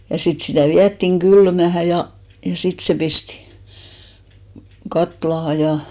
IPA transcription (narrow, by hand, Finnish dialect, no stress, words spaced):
jɑ sit sitæˑ ʋiætːiŋ ɡ̊ylmæhæ jɑ jɑ sit se pistĭ kɑtlɑhɑ jɑ